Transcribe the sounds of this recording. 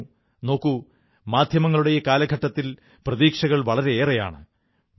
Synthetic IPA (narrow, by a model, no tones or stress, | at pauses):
no̞ːkːu | maːd̪ʱjɐmɐŋːɐɭuɽejekaːlɐɡʱɐʈːɐt̪ːil | prɐðiːkʂɐɣɐɭʋɐɭɐɾe̞eːrɐja̰ːɳɨ̰